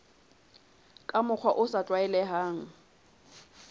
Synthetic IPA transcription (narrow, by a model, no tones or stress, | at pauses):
kʼamʊk͡xʰwaʔʊsatʼwaɛlɛɦaːŋ̩